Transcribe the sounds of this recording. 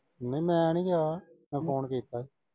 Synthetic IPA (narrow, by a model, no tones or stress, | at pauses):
nẽmɛ̃ːnĩːɡaːmɛ̃ːpʰoːnkiːt̪aːi